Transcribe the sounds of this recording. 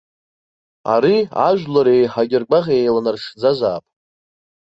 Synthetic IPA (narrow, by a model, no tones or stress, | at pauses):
a̰ɾia̰ʒᶣlaɾejħaɡʲɪrɡʷaʁʲejlanarʂd͡zazaːpʼ